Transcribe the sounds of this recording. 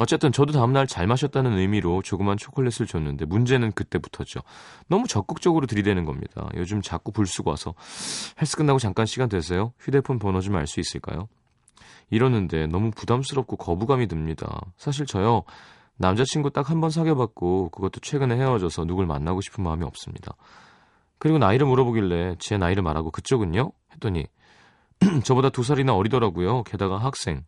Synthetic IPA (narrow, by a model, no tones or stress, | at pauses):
ʌt͡ɕ͈e̞t͈ɯnt͡ɕʌdotaɯmnaɭt͡ɕaɭmaɕʰʌt̚t͈anɯnɯjmiɾot͡ɕoɡɯmɦant͡ɕʰokʰɯɭːes͈ʰɯɭt͡ɕonːɯnde̞mund͡ʑe̞nɯnkɯt͈e̞bu̥tʰʌt͡ɕ͈o̰nʌmut͡ɕʌk̚k͈ɯk̚t͡ɕ͈ʌɡɯɾotɯɾidwe̞nɯnɡʌ̰mɲḭd̥a̰jo̰d͡ʑumt͡ɕak͈opuɭs͈uɡowa̰sʰʌheɭs͈ɯ̥ɡɯnːaɡot͡ɕaŋk͈anɕʰiɡandwe̞s̬ʰejoɸide̞pʰonpʌnʌd͡ʑuma̰ɭs͈uis͈ɯɭk͈a̰jo | iɾʌnːɯnde̞nʌmupudams̬͈ɯɾʌp̚k͈okʌbuɡamidtɯmɲida̰sʰaɕ̬ʰiɭt͡ɕʌjʌ | namd͡ʑat͡ɕʰinɡut͈ak̚hanbʌns̬ʰaɡjebak̚k͈okɯɡʌt͈̚ot͡ɕʰwe̞ɡɯne̞he̞ʌd͡ʑʌsʰʌnuɡɯɭma̰nːaɡoɕʰi̥pʰɯnmaɯmiʌp̚s͈ɯmɲida̰ | kɯɾiɡonaiɾɯɭmuɾʌboɡiɭːe̞t͡ɕe̞naiɾɯɭmaɾaɡokɯt͡ɕʰoɡuɲohe̞t͈oɲḭ | t͡ɕʌbodatus̬ʰaɾinaʌɾidʌɾaɡujoke̞daɡaɦak̚s͈e̞̰ŋ